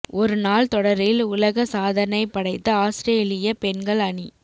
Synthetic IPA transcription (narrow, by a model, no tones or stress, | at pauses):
ɔɾɯnaːlt̪ɔɽɐɾɪlʊlɐɣɐsaːðɐnɐɪpːɐɽɐɪt̪ːɯaːsɾeːlɪjɐpɛnɡɐɭɐɳi